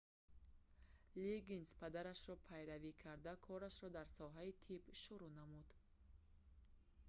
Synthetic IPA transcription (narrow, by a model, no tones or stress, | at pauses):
liɡinspʰad̪aɾaʃɾɔpʰajɾavikʰaɾd̪akʰɔɾaʃɾɔd̪aɾsɔɦait̪ʰibʃuɾunamud̪